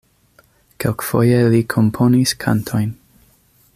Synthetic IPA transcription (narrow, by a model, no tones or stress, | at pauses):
kʰelkfo̰jelikʰompʰoniskʰa̰ntʰo̞jn